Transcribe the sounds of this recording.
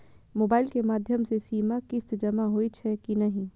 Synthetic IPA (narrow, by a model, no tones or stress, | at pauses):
moːbaːɪlkemaːd̪ʱjəmsesiːmakɪsd͡ʒɐmaɦoit͡ʃʰɛkinɐɦĩ